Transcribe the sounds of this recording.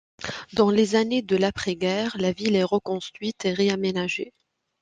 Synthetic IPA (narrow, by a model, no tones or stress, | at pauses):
d̪ɑ̃lezaned̪əlapχɛɡɛːʁlavilɛʁəkɔ̃st̪χɥit̪eʁeamenaʒe